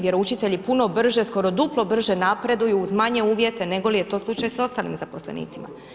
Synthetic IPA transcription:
ʋjeɾout͡ʃit̪e̞ʎipuno̞br̩ʒe̞sko̞ɾo̞d̪uplˠo̞br̩ʒe̞napɾe̞d̪ujuːzmaɲe̞uːʋje̞t̪e̞ne̞ɡo̞lije̞t̪o̞slˠut͡ʃajso̞st̪aːlḭmzapo̞slˠḛnḭːt̪sima̰

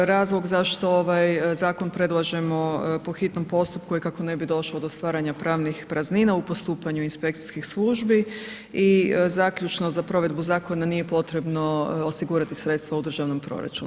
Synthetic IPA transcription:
ɾaːzlˠo̞ɡzaʃt̪o̞oʋajzaːko̞npɾe̞d̪lˠaʒe̞mo̞po̞xit̪no̞mpo̞st̪up̚kuikako̞ne̞bid̪o̞ʃlaod̪o̞st̪ʋaːɾaɲapɾaːʋnixpɾazninaupo̞st̪uːpaɲuinspe̞k̚t̪si̥skixslˠuʒbi | izaːkʎut͡ʃnozapɾo̞ʋe̞d̪buzaːko̞nanije̞po̞t̪ɾe̞bno̞osiɡuːɾat̪isɾet̪st̪ʋaud̪r̩ʒaʋno̞mpɾo̰ɾa̰t͡ʃṵn

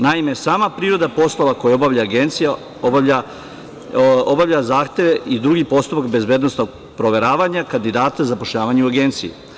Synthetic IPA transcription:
naime̞saːmapɾiːɾo̞d̪apo̞slˠo̞ʋako̞jao̞baʋʎaːɡe̞nt̪sija | obaa | obavʎʲazaːxt̪e̞ʋe̞ʔid̪ɾuɡipo̞st̪upakbe̞zbe̞ːd̪no̞sno̞ɡ | pɾo̞ʋe̞ɾaːʋaɲakand̪id̪aːt̪azapo̞ʃʎaːʋaɲeuaɡe̞nt̪sijḭ

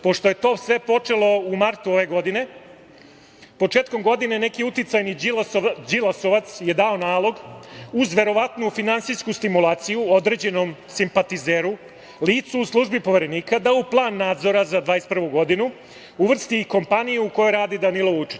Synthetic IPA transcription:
po̞ʃt̪o̞je̞t̪o̞ːsʋe̞po̞t͡ʂe̞lˠo̞umaɾt̪uo̞ʋe̞ɡo̞d̪ine̞ | po̞t͡ʂeːt̪̚ko̞mɡo̞d̪ine̞ne̞kiut̪it̪sajni | d͡ʒilˠasoʋat̪sje̞d̪ao̞naːlˠo̞ɡuzʋe̞ɾo̞ʋat̪nufinansijskust̪imulˠaːt̪sijuo̞d̪ɾe̞ːd͡ʑe̞nomsimpat̪izeːɾu | liːt̪suːslˠuʒbipo̞ʋe̞ɾe̞niːkad̪auplˠaːnːaːd̪zoɾazad̪ʋaːespr̩ʋuɡo̞d̪inu | uʋr̩st̪iko̞mpanijuuko̞jojɾaːd̪id̪anilout͡ʃi̥

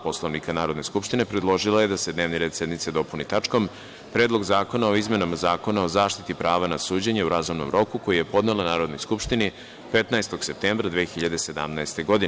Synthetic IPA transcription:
po̞slˠo̞ʋnikanaːɾo̞d̪ne̞skupʃt̪ine̞pɾed̪lˠo̞ʒilaje̞d̪ased̪neʋniɾe̞d̪se̞d̪nit̪sed̪o̞punit̪at͡ʂko̞m | pɾeːd̪lˠo̞ɡzaːko̞nao̞izme̞nomazaːko̞nao̞zaːʃt̪it̪ipɾʔaːʋanasuːd͡ʑeɲeuɾazumno̞̰mɾo̞kuko̞jije̞po̞d̪nelanaːɾo̞d̪nojskupʃt̪ini | pe̞t̪naest̪o̞ɡ̥se̞p̚t̪eːmbɾad̪ʋeːxiʎad̪ese̞d̪a̰mnaest̪e̞ɡo̞d̪ie

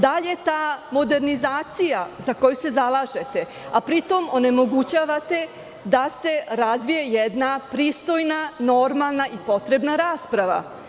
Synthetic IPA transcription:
d̪aʎe̞t̪aːmo̞d̪e̞ɾnizaːt̪sijazako̞juse̞zalˠaʒe̞t̪e̞ | apɾit̪o̞mo̞ne̞mo̞ɡut͡ɕaːʋat̪e̞ | d̪ase̞ɾazʋije̞jed̪napɾiːst̪o̞jnano̞ɾmalˠnaʔipo̞t̪ɾe̞bnaɾaːspɾaʋa̰

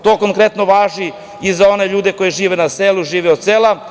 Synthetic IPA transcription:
t̪o̞ːko̞ŋkɾet̪no̞ʋaːʒi | izao̞ne̞ʎuːd̪e̞ko̞jeʒiːʋenaseːluʒiːʋeod̪seːlˠa

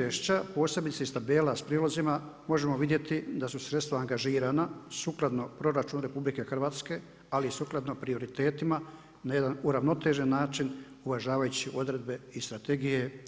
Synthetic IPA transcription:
eʃt͡ɕapo̞ːse̞bit̪seist̪abe̞ːlaspɾiːlozimamo̞ʒe̞mo̞ʋid̪je̞t̪id̪asusɾe̞t̪st̪ʋaːŋɡaʒiːɾanasuklˠad̪no̞pɾo̞ɾat͡ʃuːnɾe̞publike̞xr̩ʋaːt̪ske̞ | alisuklˠad̪no̞pɾio̞ɾit̪e̞ːt̪ima | naje̞d̪anuɾaʋno̞t̪e̞ʒe̞nːaːt͡ʃin | uʋaʒaːʋajut͡ɕiʔo̞d̪ɾe̞d̪̚be̞ist̪ɾat̪eɡije

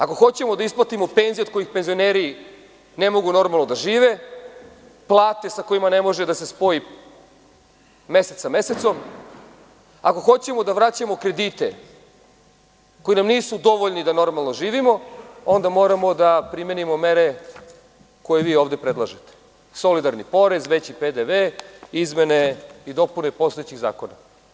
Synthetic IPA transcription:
ako̞xo̞t͡ɕemo̞d̪aisplˠat̪imo̞penzieod̪̚ko̞jixpenzio̞neːɾi | nemo̞ɡuno̞ɾmalˠnod̪aʒiːʋe | plˠaːt̪esako̞imane̞mo̞ʒed̪ase̞spo̞i | me̞set̪sameset̪so̞m | ako̞xo̞t͡ɕe̞mo̞d̪aʋɾat͡ɕamo̞kɾe̞d̪iːt̪e | ko̞inamniːsud̪o̞ʋoʎnid̪ano̞ɾmalˠno̞ʒiːʋimo̞o̞nd̪amo̞ɾamo̞d̪apɾime̞nimo̞me̞ɾe̞ | ko̞je̞ʋiːo̞ːʋd̪e̞pɾed̪lˠaʒet̪e̥ | so̞lid̪aɾnipo̞ɾe̞zʋet͡ɕiped̪eʋeizme̞neid̪o̞punepo̞st̪oet͡ɕiɣza̰ːko̞na

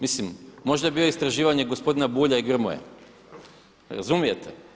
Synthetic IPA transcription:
mislimːo̞ʒd̪aebijoist̪ɾaʒiːʋaɲe̞ɡospo̞d̪inabuːʎaiɡr̩mo̰jḛ | ɾa̰zumijet̪ʰe

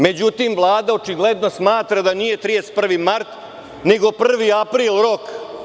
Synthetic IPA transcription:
me̞d͡ʑut̪imvlˠaːd̪aot͡ʃiɡled̪no̞smaːt̪ɾad̪anije̞t̪ɾidest̪̚pr̩ʋimaɾt̪ | ne̞ɡo̞pr̩ʋiapɾiːlˠɾok

